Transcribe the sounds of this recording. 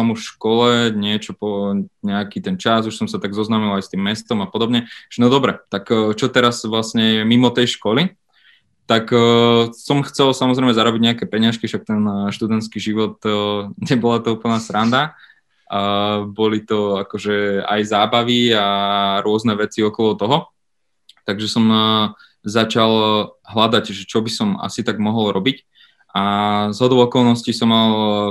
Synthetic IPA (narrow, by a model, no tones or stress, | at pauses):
samuʃkɔlɛɲɪɛt͡ʃɔpɔɲɛakit̪ɛnt͡ʃazuʃsɔmsat̪aɡzɔznaːmilajst̪iːmːɛst̪ɔmapɔd̪ɔbɲɛʒ̥ɛnɔd̪ɔbɾɛt̪akːt͡ʃɔt̪ɛɾazʋlasɲɛɛmimɔt̪ɛjʃkɔli | t̪akː | sɔmxt͡sɛlsamɔzɾɛɪmɛzaɾɔbiɟɲɛakɛpɛɲɪaʃkiʃak̚t̪ɛnʃt̪ud̪ɛnt̪skiʒiʋɔt̪ɲɛbɔlat̪ɔuːpl̩nasɾand̪a | bɔlit̪ɔakɔʒɛa̰jzaːbaʋiaɾʊɔznɛʋɛt͡siɔkɔlˠɔt̪ɔɦɔ | t̪aɡʒɛsɔm | zat͡ʃalɦlad̪aɟʒɛt͡ʃɔbisɔma̰sit̪aɡmɔɦɔlˠɾɔbic | ʔazɦɔd̪ɔʊɔkɔlˠnɔscisɔmːalˠ